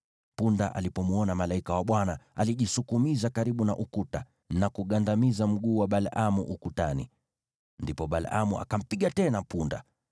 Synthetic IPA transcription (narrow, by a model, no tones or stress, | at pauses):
punda̰ʔa̰lipɔmuɔnamalaikawaɓwanaaliʄisukumizakaɾiɓunaʔukuta | nakuɠandamizam̩ɡuːwaɓalamuʔukutanḭ | ndipɔɓala̰muʔa̰kam̩piɠatɛnapunda̰